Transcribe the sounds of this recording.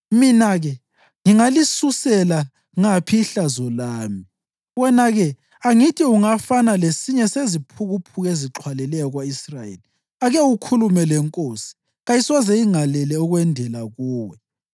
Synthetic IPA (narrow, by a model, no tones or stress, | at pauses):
minaɣɛ | ŋiŋalisusɛla | ŋapʰiɬazɔlaːmi | wɔnaɣɛ | aŋitʰʼiuŋafanalesiɲɛsezipʰuɣupʰuɣeziǁʰwalɛlɛjɔɣwaisrajḛli | aɣɛukʰulumɛlɛŋkʼoːsi̥ | ɣajiswazɛiŋalɛlɛɔɣwɛndʱɛlaɣuːwɛ